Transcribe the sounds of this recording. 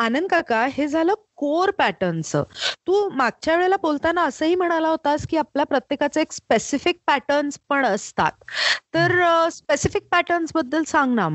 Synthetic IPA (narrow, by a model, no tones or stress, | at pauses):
anənd̪kakaɦed͡zʱaləːkoɾpæʈənsə̰t̪uːmaɡ̚t͡ɕjaʋeɭelabolt̪anːaəsəːɦiːm̤əɽ̃alaɦot̪askiːapljapɾət̪jekat͡səekspesifik̚pæʈənspəɳəst̪a̰t̪ːəɾspesifik̚pæʈənsbəd̪ːəlsãŋɡnam